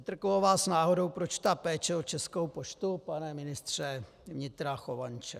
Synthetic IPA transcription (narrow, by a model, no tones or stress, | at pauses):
ɪt̪r̩koovaːsnaːɦo̞do̞wpɾot͡ʃt̪apɛːt͡ʃɛot͡ʃɛskowpot͡ʃt̪upanɛmɪnɪst̪r̝̥ɛ | vɲɪt̪ɾaxovant͡ʃɛ̰